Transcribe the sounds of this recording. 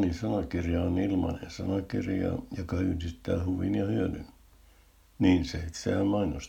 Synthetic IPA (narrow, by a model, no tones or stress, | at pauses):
nisɑnɑkirjɑonilmɑ̰nḛnsɑnɑkirjɑ̰jokɑhyrsist̪ːˑæːhuʋḭnjɑhyøly̰n | niːnseit̪sæːmɑinos